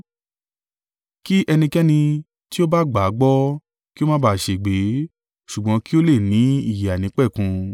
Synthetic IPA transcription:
ki˦ʔɛ˧nĩ˧kɛ˦nĩ˧ | ti˦o˦ba˦ɡ͡ba˨˦ɡ͡bɔ˦ | ki˦o˦mã˦ba˦˨ʃe˨ɡ͡be˨˦ | ʃu˨ɡ͡bɔ̃˨˧˦ki˦o˦le˦˨nĩ˨˦i˦˨ji˨a˨nĩ˨˦k͡pɛ˦˨kũ˧

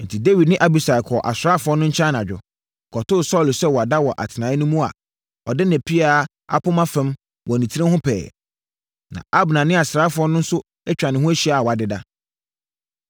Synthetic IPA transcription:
n̩˨tʰi˨de˦wi˨dnɪ̃˦ʔa˦bi˨sa˨kʰɔ˨ʔa̰˨sɾa˦fʊ˨˦ɔ˦nʊ̃˦ɲ̩˦t͡ɕʰã˦na˨d͡ʑᶣʊ̰˨ | kʰɔ˨tʊ˦˨sɔ˦˨lsɛ˦wɔ˨a˨da˦wɔ˨ʔa̰˨tʰɪ˨nãː˨˦ɪ˦nʊ̃˦mũ˦a̰˨ | ɔ˨dɪ˦næ̃˨pʰi˦a˨ | a̰˨pʰʊ˦mã˦fɛ̃˦m | wɔ˨nĩ˨tʰi˦ɾɪ̃˦hʊ̃˦pʰɛ̰ː˨ | nã̰˨a˦bnã˨nɪ̃˦a˨sɾaː˦fʊ˨ɔ˦nʊ̃˦n̩˦sʊ˦ | ɛ˦t͡ɕᶣa˨nɪ̃˨hʊ̃˦æ˦ɕi˨˦a˨wa˨dɪ˨da̰˦

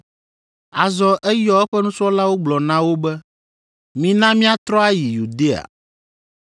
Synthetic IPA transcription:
a˨zɔ˨ʔɛ˦jɔ˦ɛ˦ɸɛ˦nũ˦sɔ˦la˦wo˦ɡ͡blɔ˨nã˦wo˦bɛ˦ | mĩ˨nã˦mĩ˦a˦t̪ɾɔ˦a˦ji˨ju˨d̪e˦a̰˨

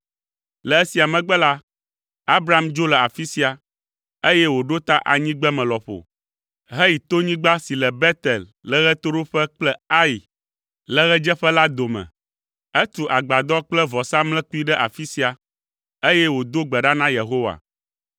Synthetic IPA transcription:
lɛ˨ɛ˦si˨a˨mɛ̃˨ɡ͡bɛ˦la˦ | a˦bɾa˨md͡ʒo˦lɛ˨a˨fi˦si˦a˨ | e˦jɛ˦wo˨ɖo˦t̪a˦ʔa̰˨ɲĩ˦ɡ͡bɛ˦mɛ̃˨lɔ˨ɸo̰˨ | ɦɛ˦i˨t̪o˦ɲĩ˦ɡ͡ba˦si˨lɛ˨bɛ˦t̪ɛ˨l | lɛ˨ɣɛ˦t̪o˦ɖo˦ɸɛ˦k͡plɛ˦a˦ji˨ | lɛ˨ɣɛ˦d͡ʒɛ˦ɸɛ˦la˦d̪o˨mɛ̰̃˨ | ɛ˦t̪u˨ʔa˨ɡ͡ba˨d̪ɔ˦k͡plɛ˦vɔ˨sa˦mlɛ̃˦ku˦i˦ɖɛ˦ʔa̰˨fi˦si˦a˨ | e˦jɛ˦wo˨d̪o˦ɡ͡bɛ˨ɖa˦nã˦je˨ɦo˦wa̰˨

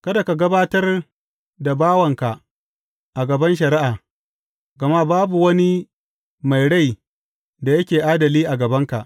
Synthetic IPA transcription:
kɐ˦da˨ka˨ɡɐ˦baː˦tɐ˦r | da˨baː˦wɐ˨ŋka˨ | ʔa˨ɡɐ˨bɐ˦nʃ̬ɐ˨ɾi˦ʔaː˨ | ɡɐ˨ma˦baː˦bu˨wɐ˦ni˦ | ma˨jɽa˦˨j | da˨jɐ˦kʲeː˨ʔaː˦dɐ˨liː˦ʔa˨ɡɐ˨bɐ˦ŋka̰˨ʔ

